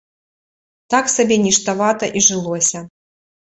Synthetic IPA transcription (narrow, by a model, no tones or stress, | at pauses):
t̪aksabʲɛnʲiʂt̪avat̪ɐʔiʐɨlˠɔsʲɐ